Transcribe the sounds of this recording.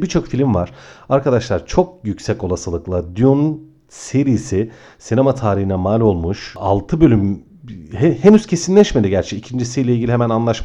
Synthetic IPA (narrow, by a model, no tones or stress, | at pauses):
bit͡ʃʰo̞kfilʲimvaɾ̥aɾkad̪aʃlˠaɾt͡ʃʰo̞k̚jycsɛco̞lˠasɯlˠɯklˠad̪jun | seɾisɪ | sinemat̪ʰaːɾihinɛmaːlʲo̞lˠmuʃa̰lˠt̪ʰɯbø̞lʲym | hehenyz̥cʰe̞sinlʲɛʃmed̪iɟæɾt͡ʃʰɛicʰind͡ʒisijlʲeilʲɟilʲiɦemænanlˠaʃm